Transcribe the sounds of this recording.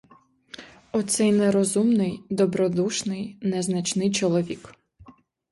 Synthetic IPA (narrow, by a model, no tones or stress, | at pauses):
ɔt̪sɛjnɛɾɔzumnɪjd̪ɔbɾɔd̪uʃnɪjnɛznɐt͡ʃnɪjt͡ʃɔlˠɔʋʲik